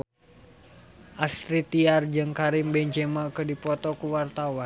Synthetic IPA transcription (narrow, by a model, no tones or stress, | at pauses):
ʔast̪ɾit̪iard͡ʒɨŋkaɾimbɛɲd͡ʒɛmakədipɔt̪ɔkuwart̪awan